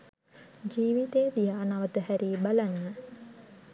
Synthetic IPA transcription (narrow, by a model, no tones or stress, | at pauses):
d͡ʒiːʋit̪eːd̪ijaːnaʋət̪əhæɾiːbalanːə